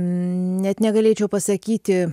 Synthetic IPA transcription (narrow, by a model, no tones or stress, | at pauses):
nʲɛt̪nʲɛɡɐlʲeːt͡ʃʲɛʊpɐsɐkʲiːt̪ʲɪ